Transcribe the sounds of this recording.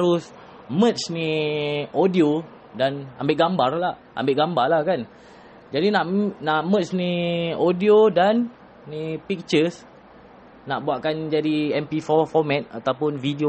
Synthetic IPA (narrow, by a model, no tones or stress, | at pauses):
ɾʊs | mə̃t̪̚sni | odio | dana̰mbɪʔɡambarla | ʔa̰mbɪʔɡambarlakan | d͡ʒadinãʔnaʔmə̃t̪̚sniodiodanː | ipik̚t͡ʃəs | naʔbuaʔkand͡ʒadiɛmpifɔfɔmɛ̃t̪̚at̪awpʊnfidio